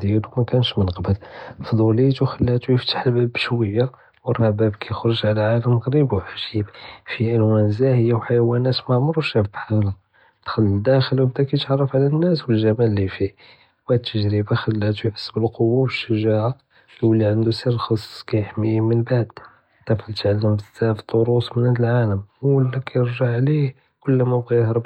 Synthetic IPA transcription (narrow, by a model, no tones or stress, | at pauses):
d̪jælumækænʃmənqbəlfd̪ˤulit̪uxəlːæt̪ujəft̪ḁħəlbæbːʃwəjːa | wərˤːɑbæbkʰæjxɾˤəʒʕalæʕaləmɣɾibwħaʒibfiʔənwænzæhəjːæwħajwænæt̪maʕmʊɾwʃæfbħalæ | t̪xəlːəd̪æxəlwbt̪ækæt̪ʕɑrˤːəfʕlænːæswəlʒæmælːifi | wæt̪ʰːəʒɾəbaxəlːæt̪ujħə̥sːbəlqowːawəʃːəʒaʕa | wəlːiʕand̪usiɾlxɑsˤskæjəħmːimənbaʕd̪ | t̪æfəlt̪ʕalːəmbəzːæft̪ˤoɾusmənhæd̪əlʕaləməlːækʰæjəɾʒaʕːlih | kʊlːmæbɣihɾˤb